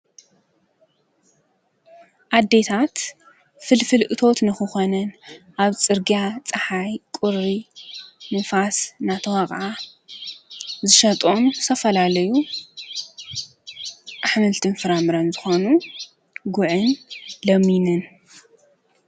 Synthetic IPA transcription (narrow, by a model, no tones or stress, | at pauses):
ʔad̪ːe̞t̪ʰat̪ | fɨlfɨlʔɨt̪ʰo̞t̪nɨxɨxonɐnʔaβt͡sʼɨɾɡijat͡sʼɨħajkʷʼʊɾi | nɨfasnat̪ʰɐwaɣʼʕa | zɨʃɐt̪ʼonst̪ʰɐfɐlalɐju | ʔaħmɨlt̪ʰɨnfɨɾamɨɾɐnzɨxonu | ɡʊʕɨnlɐminɨn